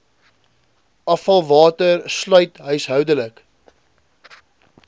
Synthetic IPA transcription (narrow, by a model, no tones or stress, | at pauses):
ɐfɐlˠvɑːtərslœɥtɦœɥsɦœwdələk